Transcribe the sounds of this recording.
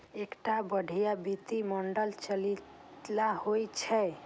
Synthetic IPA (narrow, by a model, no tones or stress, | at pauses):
ekʈabəɖʱijabit̪imɔɳɖəlt͡ʃəlit | lahojt͡ʃʰɛ